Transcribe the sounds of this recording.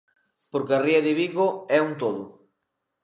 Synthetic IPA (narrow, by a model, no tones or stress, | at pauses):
poɾkeɐriɐðɪβiɣoɛunt̪oðʊ